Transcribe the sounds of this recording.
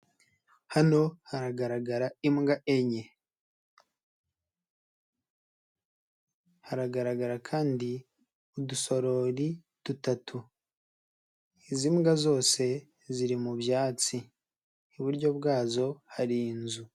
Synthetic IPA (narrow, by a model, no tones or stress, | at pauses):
hano̞haɾaɡaɾaɡaɾaimɡaʔeɲe | haɾaɡaɾaɡaɾakʰaːndi | uduso̞ɾo̞ɾi | d̥utatʰu | izimɡazo̞ːse̞ | ziɾimubjaːt͡si | niβuɾɟo̞bɡaːzo̞haɾiːnzu